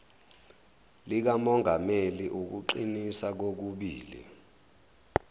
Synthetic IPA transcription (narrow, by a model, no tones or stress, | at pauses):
lik̬amɔŋʱameliʔuk̬uǃinisak̬ok̬uɓiːlḭ